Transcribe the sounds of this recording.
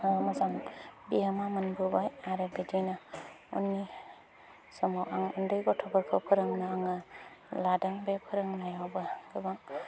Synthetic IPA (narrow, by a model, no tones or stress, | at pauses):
mazaŋbiamamanbubajaɾebedina | ɔ̰nːi | sɔmɔwaŋɔndɯjɡɔtʰɔɡaɾkʰawpʰɯɾɯŋnaːŋaladaŋbepʰɯɾɯŋnajawbaɡɯbaŋ